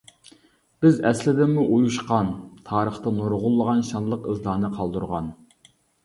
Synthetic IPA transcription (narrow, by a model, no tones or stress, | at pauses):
b̥ɪzɛslɪd̪ɪnmuʔujuʃqɑnt̪ʰɑːɾəχt̪ɑnoɾʁʊlˠːəʁɑnʃɑnlˠəqɨzlˠɑːnɨqʰɑlˠd̪uɾʁɑ̰n